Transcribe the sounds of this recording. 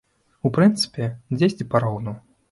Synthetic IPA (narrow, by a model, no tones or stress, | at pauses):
upɾɨnt̪sɨ̥pʲɛd͡zʲesʲtʲipaɾɔwnu